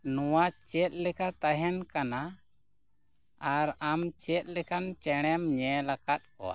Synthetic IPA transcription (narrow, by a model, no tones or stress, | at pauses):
nɔwat͡ʃɛt̪̚ˀlɛkat̪aɦɛnkana | aɾamt͡ʃɛt̪̚ˀlɛkant͡ʃɛɽ̃ɛmɲɛlakat̪̚kɔ̰wa̰